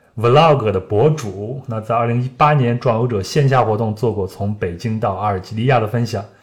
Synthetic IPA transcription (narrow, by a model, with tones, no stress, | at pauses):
wə˧˥lɑ˥˩kɤ˨˩d̪ə˦pwɔ˧˥ʈ͡ʂu˨˩˦na˥˧t͡sa˥˧ɪɐ˥˩li˧˥ŋi˥pa˥njɛ˧˥nʈ͡ʂwa˥˩no˧˥ʊʈ͡ʂɤ˨˩ɕjɛ˥˧nɕ̬ja˥˩xwɔ˧˥t̪ʊ˥˧ŋt͡swɔ˥˧kwɔ˥˩t͡sʰʊ˧˥ŋpe˨˩ɪt͡ɕi˥ŋt̪ɑ˥˧ʊa˥˩ə˞˨˩t͡ɕi˥˧li˥˧ja˥˩ɾə˩fə˥nɕjɑ˨˩˦ŋ